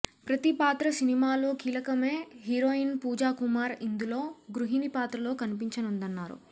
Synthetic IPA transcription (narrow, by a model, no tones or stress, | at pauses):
pɾɐt̪ipaːt̪ɾɐsinimaːlo̞ːkiːlɐkɐme̞ːɦiɾo̞ːinpuːd͡ʒaːkumaːɾind̪ulo̞ːɡɾuɦinipaːt̪ɾɐloːkɐnipiɲt͡ʃɐnund̪ɐnːaːɾṵ